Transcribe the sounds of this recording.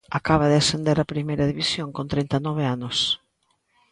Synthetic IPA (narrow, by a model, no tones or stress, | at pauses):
akaβaðɪasend̪eɾapɾimejɾɐðiβisjoŋkont̪ɾejnt̪anɔβ̞eanʊs